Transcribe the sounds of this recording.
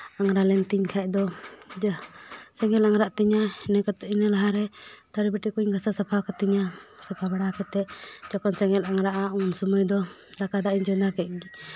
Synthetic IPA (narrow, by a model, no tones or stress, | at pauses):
aŋɾalɛnt̪iɲkʰac̚d̪ɔ | sɛŋɛlaŋɾaʔt̪ɛɲaɛnɛkat̪inɛlaɦaɾɛt̪aɾɛbɛʈikuɲɡasasapʰakat̪ɛɲasapʰabaɽakɛt̪ɛʔd͡ʒɔkɔnsɛŋɛlaŋɾaʔaunsuməjd̪ɔ | lakad̪aʔiɲd͡ʒɔnakɛc̚d͡ʒɛ